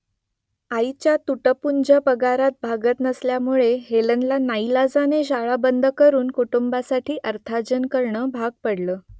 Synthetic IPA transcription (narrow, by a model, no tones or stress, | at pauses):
ait͡ɕjat̪uʈəpuɲd͡ʑapəɡaɾat̪̚bʱaɡət̪nəsljamuɭeɦelənlanailad͡zaneɕaɭabənd̪ʱəkəɾuːnkuʈumbasaʈʰiːʔəɾt̪ʰad͡ʑənkəɾɳəbʱaɡ̚pəɽləː